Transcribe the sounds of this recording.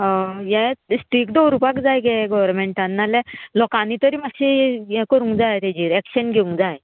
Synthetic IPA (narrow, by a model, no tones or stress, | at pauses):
ɦɔ̃jɛ̃sʈik̚d̪owɾupakd͡zajɡɛɡɔʋəɾmeɳʈãnːalɛlɔkanit̪əɾiːmaɕijɛ̃kəɾũŋkd͡zajt̪ɛd͡ʑiːɾɛkɕənɡʱeũŋkd͡zaj